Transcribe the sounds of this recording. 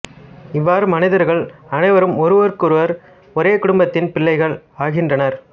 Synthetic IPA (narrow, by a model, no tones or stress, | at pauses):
ɪʋːaːɾɯmɐnɪðɐɾɣɐɭɐnɐɪʋɐɾɯmɔɾɯʋɐɾkɯɾɯʋɐɾ | ɔɾeːkʊɽʊmbɐt̪ːɪnpɪlːɐɪɣɐɭaːɣɪndrɐnɐɾ